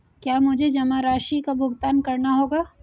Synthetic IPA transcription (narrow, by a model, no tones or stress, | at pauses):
kjaːmʊd͡ʒʱed͡ʒɐmaɾaːʃikabʱʊɡt̪aːnkɐɾnaɦoːɡaː